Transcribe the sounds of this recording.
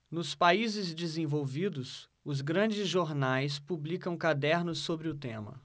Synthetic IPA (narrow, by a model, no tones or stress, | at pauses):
nʊspaizɪzd͡ʒizẽvowvid̪ʊs | ʊz̬ɡɾɐ̃d͡ʒɪzʒoɾnajspublikɐ̃w̃kad̪ɛɾnʊsːobɾɪʊt̪ẽmɐ̰